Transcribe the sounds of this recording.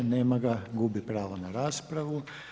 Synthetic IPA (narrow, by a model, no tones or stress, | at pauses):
neːmaɡaɡubipɾaːʋonaɾaːspɾaʋu